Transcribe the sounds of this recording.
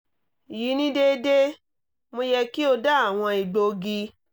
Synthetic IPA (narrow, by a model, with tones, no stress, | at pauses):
ji˨˦nĩ˦de˦de˦ | mõ˧jɛ˧ki˦o˧da˦a˦˨w̃ɔ̃˧i˨ɡ͡bo˧ɡi˧